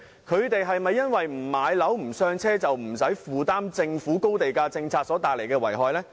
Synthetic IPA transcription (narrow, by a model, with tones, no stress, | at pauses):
kʰɵ˨˧ɥt̪e˨jɦɐ˨jmɐ˨jːɐ˥nwɐ˨jm̩˨˩maː˨˧jlɐ˨˥wm̩˨˩sœː˧ŋt͡sʰɛː˥t͡sɐ˨wm̩˨˩sɐ˨˥jfuː˨t̪aː˥mt͡sɪ˧ŋfuː˨˥ko˥wt̪e˨jkaː˧t͡sɪ˧ŋt͡sʰaː˧t̚sɔː˨˥t̪aː˨k̚le˨˩kɛː˧wɐ˨˩jɦɔː˨jlɛː˥